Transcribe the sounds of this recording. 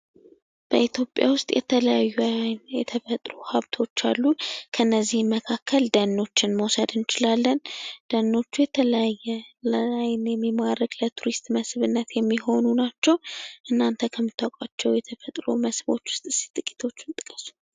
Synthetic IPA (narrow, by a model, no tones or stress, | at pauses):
b̥əit̪ʰjo̞pʼja̰wʊst̪ʼjʔɛ̰t̪ʰələjajːujɛt̪ʰəfət̪ʼɾuhaβt̪ʰo̞t͡ʃːalːukʰəɨnːəzːihmːəkʰakːəld̪ənːo̞t͡ʃːɪnməwsəd̪ɨnɪt͡ʃɪlalːənd̪̥ənːo̞t͡ʃːujɛt̪ʰələajːɛlajnjɛmːimaɾəɡlət̪ʰuɾist̪məsβɨnːət̪jɛmːiɦo̞nunat͡ʃːɛwʔɨnːant̪ʰəkʰəmːɨt̪ʰːawkʼat͡ʃːɛwjɛt̪ʰəfət̪ʼɾo̰məsbo̞̰t͡ʃːwʊst̪ʼɨsi̥t̪ʼɨkʼi̥t̪ʰo̞t͡ʃːɨnt̪ʼɨ̥kʼəsu̥